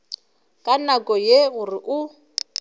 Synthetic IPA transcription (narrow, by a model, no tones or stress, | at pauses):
kʼanakʼɔjeɣuriʔu